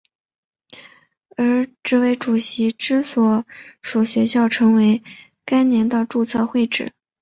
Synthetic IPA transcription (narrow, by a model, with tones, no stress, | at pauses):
ə˞˧˥ʈ͡ʂɻ̩˥˩we˧˩ɪʈ͡ʂu˨˩ɕi˧˥ʈ͡ʂɻ̩˥swɔ˧˩ʂu˨˩ɕɥɛ˧˥ɕjɑ˥˩ʊʈ͡ʂʰɤ˧˥ŋwe˧˥ɪ | ka˥ɪnjɛ˧˥nt̪ə˧ʈ͡ʂu˥˧t͡sʰɤ˥˧xwe˥˩ɪʈ͡ʂɻ̩˨˩˦